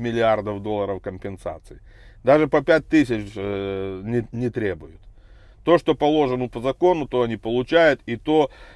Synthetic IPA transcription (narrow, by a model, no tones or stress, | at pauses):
mʲɪlʲɪard̪əfd̪o̞lˠːəɾəfkəmʲpʲɪnsa̰t̪sɨɪd̪aʐɨpəpʲæt̚ʲt̪ɨsʲɪt͡ɕ | nʲɪnʲɪt̪ɾʲebʊjʊt̪ː | o̞ʂt̪o̞pɐlˠo̞ʐɨnʊpəzɐko̞nʊt̪o̞ɐnʲipəlˠʊt͡ɕæjʊt̪it̪o